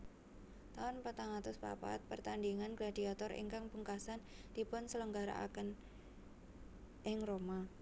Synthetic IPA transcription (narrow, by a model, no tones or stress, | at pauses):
t̪aʊnpət̪aŋat̪ʊspa̰pa̰t̪̚pərt̪andiŋanɡladiat̪ɔrḭŋkaŋpuŋkasand̥ipʊnsələŋɡaɾa̰ʔa̰kən | ʔɪŋroma